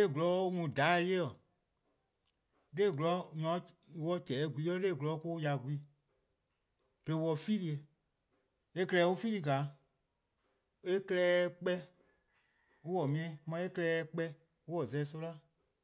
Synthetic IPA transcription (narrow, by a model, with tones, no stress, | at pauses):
e˦˨ɡlɔ˨˦u˦mũ˨da˨˦˧je˦ɔ˨ | le˦˨ɡlɔ˨˦ɲɔ̃˨˦˧wɔ˧˦t͡ʃɛː˨˦˨ɡʷi˨˧˦ɔ˦leː˦˨ɡlɔ˨˦ko˦ja˧˨ɡʷi˨˦ | b̥le˧wɔ˧fi˦li˧˦e˧ | e˦klɛː˧˦u˦fi˦li˧˨ka˨˦ | e˦klɛː˦˧k͡pɛ˦ | u˦wɔ˨mĩ˧˦ɛ̃˧˦mã˧˦e˦klɛː˧˦k͡pɛ˧ | u˦wɔ˨zɛ˧˦so˦la˦˨